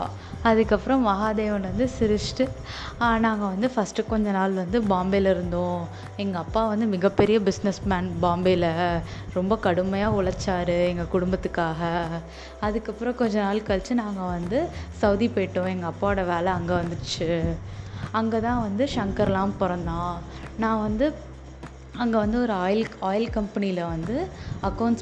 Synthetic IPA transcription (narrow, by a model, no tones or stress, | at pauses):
ɐðɯkːɐpːɯɾɐ̃ʋɐɣaːd̪eːʋɐnʋɐnd̪ɯsɪɾɯʂʈɯaːnaːŋɡɐʋɐnd̪ɯfɐsʈɯkɔɲd͡ʒɐnaːlʋɐnd̪ɯbaːmbɐlɐɪɾɯnd̪õː | ɛŋɡɐːpːaːʋɐnd̪ɯmɪɣɐpːɛɾɪjɐbɪsnɛsmaːnbaːmbilɐ | ɾɔmbɐkɐɽɯmːɐjaːʊɭɐt͡ʃːaːɾɯɛŋɡɐkʊɽʊmbɐt̪ːɯkːaːɣɐ | ɐðɯkːɐpːɯɾɐ̃kɔɲd͡ʒɐnaːlkɐɭt͡ʃːɯnãːŋɡɐʋɐnd̪ɯsɐʊðipojʈːõɛŋɡɐːpːaːʋɐɽɐʋeːlɛɐŋɡeʋɐnd̪ɯt͡ʃːɯ | ɐŋɡeːt̪ãːʋɐnd̪ɯʂɐŋkɐɾlãːmpɔɾɐnd̪ãː | nãːʋɐnd̪ɯ | ɐŋɡɐʋɐnd̪ɯɔɾɯːjɪlaːjɪlkɐmpɐnilɐʋɐnd̪ɯɐkːɐʊɳʈs